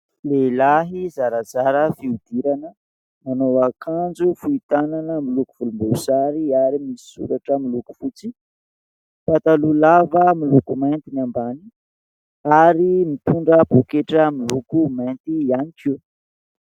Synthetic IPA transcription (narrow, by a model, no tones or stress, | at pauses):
lelaɦizaɾazaɾəfiud̪̥iɾanə | manowakʰand͡zufuit̪ananəmilukuv̥ulumbuuzaɾiaɾimisi̥sṵɾaʈ͡ʂamiluku̥fut͡si | fat̪alulavəmilukumajnt̪inambani | aɾimit̪uɳɖ͡ʐəb̥ukeʈ͡ʂəmilukumajnt̪ianiki